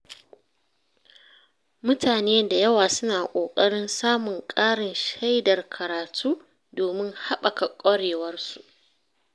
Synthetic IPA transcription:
mʊ˦tʰaː˨neː˦nda˨jɐ˦waː˨sʊ˦naː˨kʷʼoː˨kʼɐ˦ɽɪ˦nsaː˦mʊ˨ŋkʼaː˦ɽɪ˨nʃa˦jdɐ˨rkʰɐ˨ɾaː˨tʰuː˦ | doː˨mɪ˦ŋha˦ɓa˨ka˨kʷʼɐ˦ɽeː˨wɐ˦rsu˨

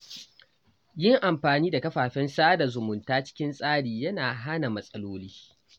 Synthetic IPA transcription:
jɪ˦ŋʔa˨mɸaː˨niː˦da˨kɐ˦ɸaː˨ɸɛ˦nsaː˦da˨zʊ˨mʊ˨ntaː˦t͡ʃɪ̥˦kʲɪ˦nsʼaː˦ɽiː˨jɐ˦naː˨ɦa˦na˨mɐ˦sʼɐ˦loː˦liː˦

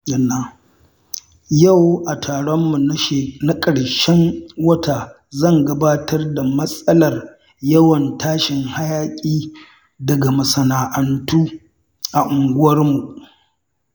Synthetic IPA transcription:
jɐ˦˨nːaː˦˨ | jɐ˦˨wʔa˨tʰaː˨ɽɔ˦mːu˨n˦ʃna˦kʼɐ˨ɽʃɛ˦ŋwɐ˦tʰaː˨ | zɐ˦˨ŋɡɐ˦baː˦tʰɐ˦rda˨mɐ˦sʼɐ˦lɐ˨r | jɐ˦wɐ˨ntaː˦ʃɪ˨ŋha˦jaː˦kʲʼiː˦ | dɐ˨ɡa˨mɐ˨sɐ˨naː˨ʔɐ˨ntuː˦ | ʔa˨ʔʊ˨ŋɡʷʊ˦wɐ˦rmu˨ʔ

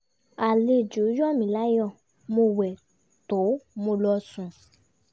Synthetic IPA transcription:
a˨le˧˨d͡ʒu˨˦jɔ˦˨mĩ˨˦˨la˦jɔ˦˨ | mo˧wɛ˨ | to˨˦mo˧lɔ˧sũ˨

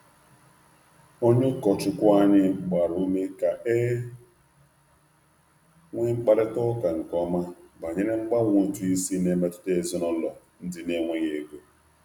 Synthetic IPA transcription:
o˦ɲʊ˦kɔ˨t͡ʃʊ˨kʷa˦ɲɪ˦˨ɡ͡ba˨ɾu˨˦me˦ka˨ʔe˦ | ŋʷe˦ŋ͡m̩˦k͡pa˨ɾɪ˦tɔ˦ka˨ŋ̩˨kʷɔ˦ma˦ba˨ɲe˦ɾe˦ŋ͡m̩˦ɡ͡ba˦ŋʷ˦˨tu˦i˦si˦ne˦me˦tʊ̥˦te˦e˨zʊ˦nɔ˦lɔ˨ | n̩˦dɪ˦ne˦ŋʷe˦ɣe˨ɡo˨˦

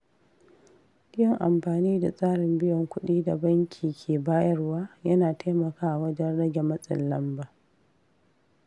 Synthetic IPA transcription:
ɪ˦jɔ˨ŋʔa̰˨mɸaː˨niː˦da˨sʼaː˦ɽɪ˨mbɪ˦jɔ˨ŋkʷʊ˦ɗiː˦da˨bɐ˦ŋkʲʰiː˨kʲʰeː˨baː˦jɐ˦rwaː˦jɐ˦naː˨tʰa˦mɐ˨kaː˦ʔa˨wɐ˦d͡ʒɐ˦nɽɐ˦ɡʲɛ˨mɐ˦sʼɪ̰˨lːɐ˦mbaː˨

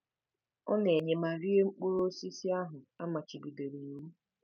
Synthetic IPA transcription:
ɔ̰˦ne˨e˨ɲe˨ma˨ɾi˦e˦ŋ͡m̩˦k͡pu˦ɾo˦si˦si˦a˦ɦʊ˨a˦ma˨t͡ʃi˨bi˨de˨ɾi˨n˨˦u˦

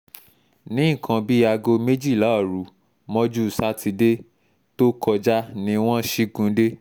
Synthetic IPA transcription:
nĩ˨˦˨kã˧bi˦a˧ɡo˧me˦d͡ʒi˦˨la˨˦˨ɾu˨˦ | mɔ̃˦d͡ʒu˦˨sa˦ti˧de˦ | to˦kɔ˧d͡ʒa˦nĩ˧w̃ɔ̃˦ʃi˦ɡũ˧˦de˦

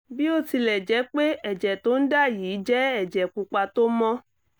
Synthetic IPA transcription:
bi˦o˦ti˧lɛ˨d͡ʒɛ˨˦k͡pe˦ɛ˦˨d͡ʒɛ˨to˨˦n̩˦da˦˨jiː˨˦d͡ʒɛ˦ɛ˦˨d͡ʒɛ˨ku˧k͡pa˧to˦mɔ̃˦

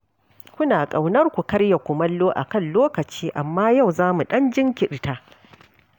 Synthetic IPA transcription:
kʷʊ˦naː˨kʼa˨wnɐ˦rkʷu˨kɐ˦ɽja˨kʷʊ˨mɐ˦lːoː˦ʔa̰˨kɐ˦˨nloː˦kɐ˨t͡ʃiː˦ʔa˨mːaː˦ja˦˨wzaː˦mu˨ɗɐ˦nd͡ʒɪ˦ŋkʲɪ˨ɗtaː˦

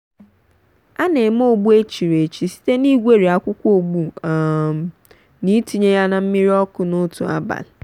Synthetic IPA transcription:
a˦ne˨m̩˦o˦˨ɡ͡bu˦e˦t͡ʃi˨ɾe˨t͡ʃi˨si̥˦te˦ni˦ɡʷe˦ɾi˨a˨kʷʊ˦kʷo˨ɡ͡bu˨ | ni˦ti˨ɲe˦ja˦na˨m̩˦mi˦ɾi˦ɔ˦kʊ˨nʊ˦tṵ˨a̰˦ba̰˨l

